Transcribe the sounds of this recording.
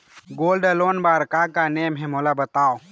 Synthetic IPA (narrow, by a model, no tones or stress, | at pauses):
ɡoːlɖəloːnbaːɾkakaneːmɦẽmolabət̪aːo